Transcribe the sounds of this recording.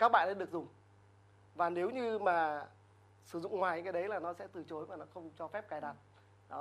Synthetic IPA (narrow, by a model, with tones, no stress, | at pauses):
kaː˦˥k̚ɓa̰ː˧˨nle˧nɗɨ˨˩ək̚zʊ˨˩ŋ͡m | vaː˨˩ne˨˦wɲɨ˧maː˨˩ | sɨ˧˩zʊ̰˧˨ŋ͡mŋwaː˨˩jka˨˦ɗə˨˦jlaː˨˩nɔ˨˦sɛ̰˧˥t̪ɨ˨˩t͡ɕo˨˦jvaː˨˩nɔ˨˦xə˧wŋ͡mt͡ɕɔ˧fɛ˦˥p̚kaː˨˩jɗaː˨˩t̚ | ɗɔ˨˦